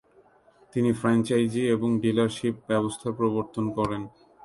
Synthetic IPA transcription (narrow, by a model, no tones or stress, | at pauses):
t̪inifɾant͡ɕajd͡ʑieboŋɖilaɾʃip̚bɛbost̪ʰapɾoboɾt̪onkɔɾen